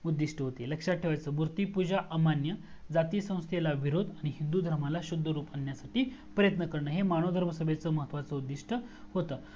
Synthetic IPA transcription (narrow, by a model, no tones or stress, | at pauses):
ud̪ːiʂʈəɦot̪eləkʂaʈʰːeʋajt͡səːmuɾt̪iːpud͡ʑaʔamanjə | d͡zat̪iːsə̃w̃st̪ʰelaʋiɾod̪ʱaɽ̃iɦind̪ud̪ʱəɾmalaɕud̪ʱːəɾuːpanjasaʈiːpɾəjət̪nəkəɾɳəːɦemaɽ̃od̪ʱəɾməsəbʱet͡səːməɦət̪ʋat͡səud̪ːiʂʈʰəhot̪əː